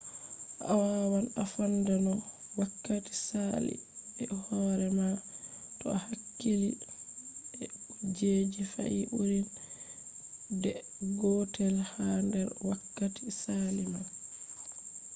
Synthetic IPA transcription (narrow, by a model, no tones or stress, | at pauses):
ʔa̰wawanafandanɔ | wakːati̥salḭɛhɔːɾɛma | tɔ̰ahakːili | ɛd͡ʒeːd͡ʒifa̰ʔiʔuɾin | dɛ | ɡɔtɛlhandɛɾwakːatisalima